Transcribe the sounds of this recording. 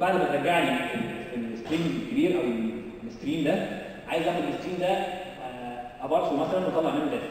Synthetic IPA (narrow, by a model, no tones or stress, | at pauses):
baʕd̪bæt̪ɾˤɑɡaʕlieelːest̪ɾiːmkæbiːɾʔæwe | lːest̪ɾiːmd̪æ | ʕajezʔæxod̪elʔest̪ɾiːmd̪æ | ʔæbɑɾˤsumæsælænwot̪ɑlːɑʕmenːd̪æ